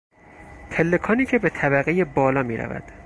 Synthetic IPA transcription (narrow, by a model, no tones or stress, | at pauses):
t̪ʰelːe̞kʰɒːniːcʰe̞be̞t̪ʰæbæɣejebɒːlɒːmiːɾæ̰væ̰d̪̥